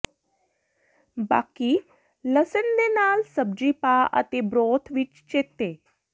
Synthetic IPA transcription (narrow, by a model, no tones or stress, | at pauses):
ba̰ːki | ləsənd̪enaːlsəb̚d͡ʑipaə̰t̪ebɾoːt̪ʰʋit͡ʃt͡ʃet̪e